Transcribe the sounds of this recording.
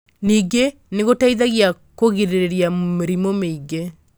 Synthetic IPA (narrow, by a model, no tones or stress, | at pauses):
niːɡe | neɣotaiðaɣja | koɣiɾeɾeɾjameɾimomeiɡe